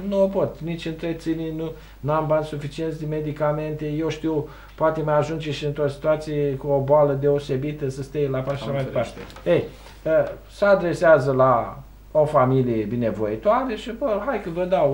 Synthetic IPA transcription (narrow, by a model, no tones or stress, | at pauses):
nuopo̞t̪nit͡ʃʲɨnt̪ɾet̪sininu | nuambansufit͡ʃiet̪sd̪eme̞d̪ikame̞nt̪e̞je̞wʃt̪iw | poat̪emajaʒund͡ʒe̞ʃiɨnt̪ɾosi̥t̪uat̪sijekuoboaləd̪e̞ose̞bit̪əsəst̪ejlapaʃaʃamajd̪epaɾt̪e | ej | ə | səad̪ɾe̞seazəla | o̞familijebine̞vo̞it̪oaɾeʃibəɦajkəvəd̪aw